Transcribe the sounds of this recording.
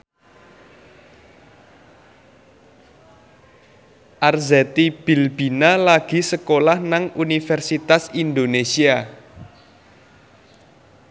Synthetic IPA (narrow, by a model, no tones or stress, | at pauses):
ʔarzɛt̪ib̥i̤lb̥inalaɡ̥i̤səkolahnaŋunifɛrsit̪asind̪onesia